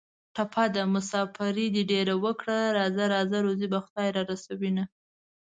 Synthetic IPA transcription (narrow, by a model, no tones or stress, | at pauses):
ʈapʰad̪amʊsɑfaɾid̪iɖeɾawəkɽaɾɑzaɾɑzaɾozibaxʊd̪ɑjɾɑɾasawina